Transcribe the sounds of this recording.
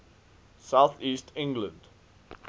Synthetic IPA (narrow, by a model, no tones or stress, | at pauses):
saʊθiːstʰɪ̃ŋɡlə̃nd